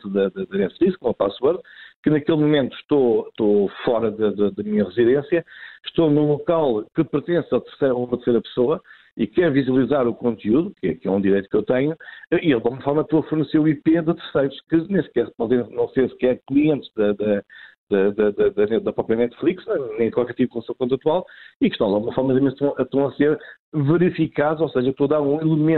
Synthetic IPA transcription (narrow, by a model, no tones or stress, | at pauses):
t̪ðɐd̪ɐd̪ɐnɛt̪flˠikʃkõmɐpaswɔɾðkɨnɐkelˠmumẽnt̪u̥ʃt̪oʃt̪ofɔɾɐðɐðɐd̪ɐmiɲɐʁɨziðẽsjɐʃt̪õnũlˠukalˠkɨpɨɾt̪ẽsat̪ɨɾsɾumɐt̪ɨɾsejɾɐpsoɐ | ikɛɾviziɐlˠizaɾukõnt̪juðukɛ̰kɛũd̪iɾejt̪ukewt̪ɐɲuɛʔielˠd̪aɡumɐfɔɾmɐpsoɐfuɾnɨseɾuiped̪ɨt̪ɨɾsɐjɾuʃkɨnẽstkɛspɔzẽnɐ̃w̃sẽskɛɾklˠiẽnt̪ʒðɐd̪ɐd̪ɐd̪ɐd̪ɐd̪ɐnɛd̪ɐpɾɔpɾjɐnɛt̪flˠikʃnɐ̃nɐ̃j̃kwalˠkɛɾt̪ip̚klˠɐsɐ̃kõnt̪ɾɐt̪walˠikʃt̪ɐ̃w̃d̪aɣumɐfɔɾmɐt̪ɐmẽʃt̪ɐ̃w̃ʃt̪ɐ̃w̃ɐseɾ | vɨɾifikaðuoseʒɐewkt̪oðaɾũilˠɨmẽ